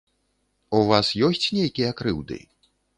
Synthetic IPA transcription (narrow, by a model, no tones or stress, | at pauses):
uvasjɔsʲt͡sʲnʲejkʲijɐakɾɨwd̪ɨ̰